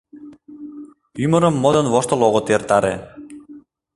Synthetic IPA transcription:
ymɤ̆ɾɤ̆mːod̪ɤ̆nvoʃt̪ɤ̆lˠoɣŏt̪ert̪ɑɾḛ

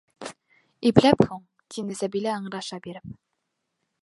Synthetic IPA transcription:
iplæphuɴ | t̪ʰinɘsæbilɘɑɴɾɑʃɑbiɾɘp̚

